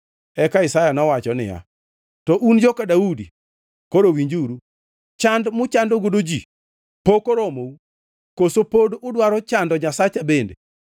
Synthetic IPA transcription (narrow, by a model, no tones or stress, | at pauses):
ɛkaɪsajanɔwat͡ʃɔnɪ̰ja̰ | tɔʔund͡ʒokadaudi | koɾowiɲd͡ʒuɾu | t͡ʃandmʊt͡ʃandoɡodod͡ʒi | pokoɾomou | kosopodʊdwaɾɔt͡ʃandɔɲasat͡ʃabendḛ